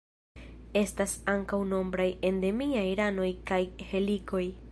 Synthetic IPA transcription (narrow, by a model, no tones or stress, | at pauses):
e̞stasaŋkawno̞mbɾaje̞nde̞miajɾano̞jkajhe̞liko̞j